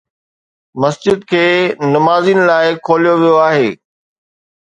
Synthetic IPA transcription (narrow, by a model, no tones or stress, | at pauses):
mɐsd͡ʑɪd̪̚kʰeːnɐmaːziːnɪ̆laːɪkʰoːlijoʋijoaːɦeː